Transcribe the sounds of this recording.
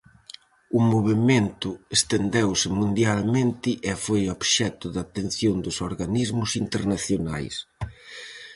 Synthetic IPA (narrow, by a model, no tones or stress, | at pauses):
ʊmoβ̞ement̪ʊest̪end̪ɛwsɪmũnd̪jalmẽnt̪ɪʔefojɔβʃɛt̪ʊðat̪en̟θjond̪ʊsoɾɣanizmʊsint̪eɾnaθjona̰js